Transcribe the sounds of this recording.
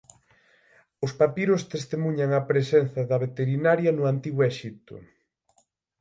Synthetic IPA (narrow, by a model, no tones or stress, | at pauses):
ʊspapiɾʊst̪est̪emuɲɐŋɐpɾesɛn̟θɐðɐβet̪eɾinaɾjɐnʊant̪iɣwɛʃit̪ʊ̰